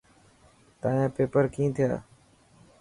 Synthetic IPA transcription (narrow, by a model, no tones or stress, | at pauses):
t̪aːãːpeːpəɾkĩːt̪ʰɪja̰ː